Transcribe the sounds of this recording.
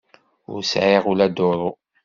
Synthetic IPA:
ʊ̰ɾsʕeʁulæd̪oɾˤo

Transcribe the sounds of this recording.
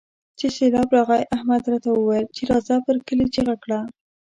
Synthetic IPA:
t͡ʃeselɑbɾɑɣɑjʔahmad̪ɾɑt̪awəwajlt͡ʃeɾɑzɑpəɾkəlet͡ʃeɣakɽa

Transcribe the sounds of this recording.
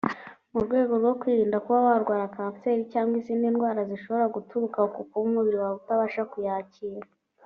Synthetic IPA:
muɾɡwe̞ːɡo̞ɾɡo̞kwiːɾiːndakuβawaɾɡwaːɾakaːfte̞ːɾicaːŋɡwiziːndinɡwaːɾaziʃo̞βo̞ɾaɡutuɾukaokukuβumuβiɾiβaɾutaβaːʃakujaːciːɾa

